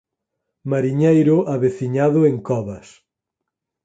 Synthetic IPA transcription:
maɾiɲejɾʊʔaβeθiɲaðʊeŋkɔβɐs

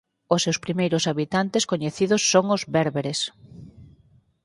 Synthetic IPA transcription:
ʊsːewspɾimejɾʊsaβit̪ant̪ɪskoɲeθiðʊsːoŋʊzβɛɾβeɾes

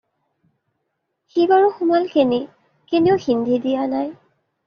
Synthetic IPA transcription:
xibaɹɔxʊmalkene | keneʊxindʱidianaj

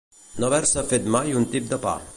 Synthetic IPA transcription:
noβɛɾsəfet̪majunt̪ip̚d̪əpa̰

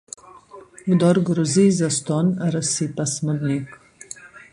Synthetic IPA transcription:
ɡd̪ɔɾɡɾuzizəst̪ɔnəɾəsit̪asməd̪nik

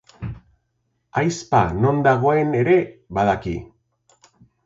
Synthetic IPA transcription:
ajspa̰no̞nd̪aɣ̞o̞e̞ne̞ɾe̞βað̞akḭ

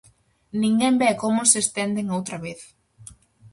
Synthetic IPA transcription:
nĩŋɡɛmbɛkomʊsest̪ɛnd̪eŋowt̪ɾɐβeθ

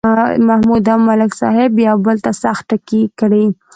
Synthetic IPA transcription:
mahmud̪amalɪksɑ̰ɦɪbjɑbəlt̪asax̚ʈakikɽi

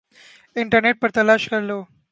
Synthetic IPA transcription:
ɪɳʈəɾneʈ̚pəɾt̪ɐlaːʃkəɾlo

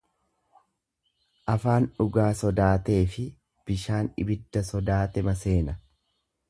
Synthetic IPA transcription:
ʔɐfaːnᶑʊɡaːsɔd̪aːt̪e̞ːfɪ | b̥ɪʃaːnɪ̰bɪd̪ːɐsɔd̪aːt̪ɛmɐse̞ːnɐ

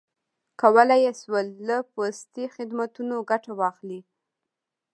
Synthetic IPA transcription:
kawəlajeswəlːəpost̪ixɪd̪mat̪unoɡaʈawɑxli

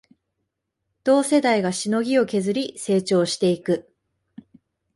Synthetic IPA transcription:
d̪̥o̞ːse̞d̪aiɡaɕino̞ɡʲio̞ke̞zɨɾʲise̞ːt͡ɕo̞ːɕi̥t̪e̞ikɯ̟

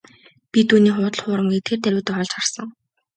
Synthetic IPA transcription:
pʲit̪ʰuːniːχʊːt̪ə̆ɮχʊːɾə̆mɡiːt̪ʰert̪æɾʲuːt̪ʊːχɔɮt͡ɕχarsə̆ŋ

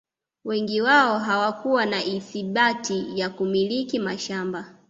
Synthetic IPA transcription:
wɛŋɡiwaɔɦawakuwanaʔiθiɓatijakumilikimaʃamba

